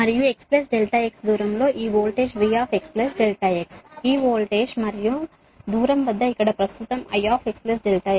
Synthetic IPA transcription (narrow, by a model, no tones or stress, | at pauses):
mɐɾijueksples̬ɖelʈaːjeksd̪uːɾɐmloːʔiːʋoːlʈeːʃʋijaːfeksplesɖelʈɐːjeksiːʋoːlʈeːʂmɐɾiju | d̪uːɾɐmbɐd̪ːɐikɐɽɐpɾɐst̪ut̪ɐmɐ̰jaːpʰeksples̬ɖelʈɐːje